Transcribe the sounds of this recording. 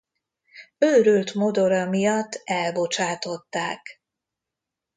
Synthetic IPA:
øːɾølt̪mod̪o̞ɾɒmijɒt̪ːɛlbo̞t͡ʃaːt̪o̞t̪ːaːk

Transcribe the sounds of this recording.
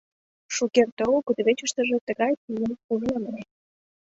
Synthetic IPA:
ʃukert̪ookud̪βet͡ɕəʃt̪ə̆ʒĕt̪əɣɑjt̪ijənuʒnməne

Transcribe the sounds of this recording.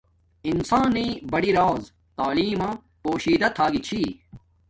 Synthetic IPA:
insaːniːbɐɽiɾaːz | t̪aːliːmã | poːɕiːd̪ɐt̪ʰaːɡit͡ɕʰi

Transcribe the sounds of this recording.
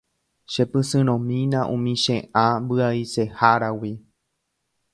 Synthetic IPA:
ʃe̞pɨsɨ̃ɾ̃õmĩnãʔũmĩʃẽʔãmbɨaise̞haɾawi

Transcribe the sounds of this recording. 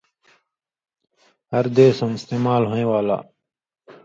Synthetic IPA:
ɦəɾd̪eːsəmɪst̪eːmaːlɦoːẽːʋaːla̰ː

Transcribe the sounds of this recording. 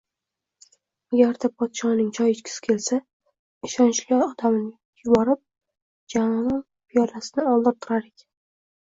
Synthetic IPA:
aɡʲaɾd̪apʰɒt̪ʃɒnɪŋt͡ʃʰɒjɪt͡ʃkʲʰɪ̥sɪ̥kʲʰe̞lsa | ɪʃɒnt͡ʃliɒd̪amɪnɪ | jʊbɒɾɪp̚ | d͡ʒamɒvan | pʰijɒlasɪnɪɒlˠd̪ɪɾt̪ʰʊɾaɾɪkʲ

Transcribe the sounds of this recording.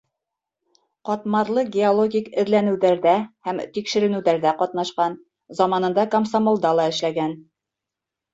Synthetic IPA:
qɒt̪mɑɾlˠɤɡʲeolˠoɡʲikɘ̆ðlænɘ̆wðæɾðæhæmt̪ikʃɘ̆ɾɘ̆nɘwðæɾðæqɒt̪nɑʃqɑn | zɑmɑnɤ̆nd̪ɑkɐmsamolˠd̪ɑlˠɑɘ̆ʃlæɡæn

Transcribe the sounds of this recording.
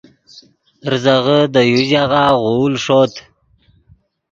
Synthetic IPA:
ɾzaʁəd̪əjuzaʁaʁulʂot̪

